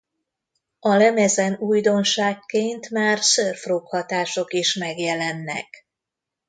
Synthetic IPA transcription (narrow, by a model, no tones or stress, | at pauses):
ɒlɛmɛzɛnujd̪o̞nʃaːkːeːnt̪maːrsørfroːkhɒt̪aːʃo̞kiʃmɛɡjɛlɛnːɛ̰k